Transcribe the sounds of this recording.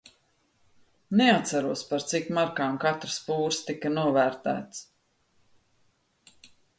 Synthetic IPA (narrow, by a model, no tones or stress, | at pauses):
nɛat̪saɾuɔspaɾt̪sikmaɾkaːmkat̪ɾspuːɾst̪ikɐnuɔvæːɾt̪æ̰ːt̪s